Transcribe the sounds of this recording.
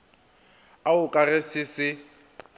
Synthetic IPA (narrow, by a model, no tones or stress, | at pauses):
aʊkʼarɛsɪsɪ